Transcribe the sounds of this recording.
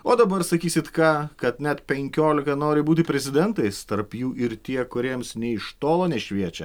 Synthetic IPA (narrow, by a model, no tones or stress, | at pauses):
oːd̪ɐbɐɾsɐkʲiːsʲɪt̪kɑːkɐt̪nʲɛt̪pʲɛŋʲkʲoːlʲɪkɐnoːɾʲɪbuːt̪ʲɪpʲɾʲɛzʲɪd̪ʲɛnt̪ɐɪst̪ɐɾpjuːʔɪɾt̪ʲiɛkʊɾʲiɛmsnʲɛɪʃt̪oːlˠoːnʲɛʃʲʋʲiɛt͡ʃʲɛ